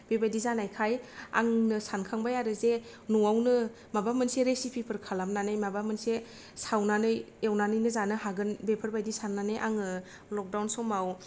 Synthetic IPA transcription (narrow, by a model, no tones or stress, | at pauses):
bebajdizanajkʰaja̰ŋnɯsankʰaŋbajaɾɯze | nuŋawnɯ | mabamɯnseɾesipʰipʰɯɾkʰalamnanajmabamɯnse | sawnanɯjewnanɯjnɯzanɯɦaɡɯnbepʰɯɾbajdisanːanɯjʔaŋɯ | lɔk̚dawnsɔmaw